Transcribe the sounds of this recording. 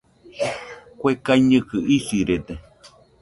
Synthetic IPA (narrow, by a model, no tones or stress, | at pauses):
kʷekaiɲɨ̃kɨʔisiɾed̪e